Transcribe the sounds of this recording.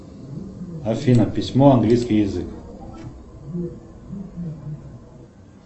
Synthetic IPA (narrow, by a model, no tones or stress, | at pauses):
afinapismɔ̃ãŋɡliskijezik